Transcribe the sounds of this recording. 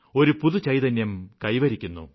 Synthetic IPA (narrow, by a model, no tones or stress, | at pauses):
o̞ɾupuðut͡ɕɐjðɐnjɐmkɐjʋɐɾikʲːunːṵ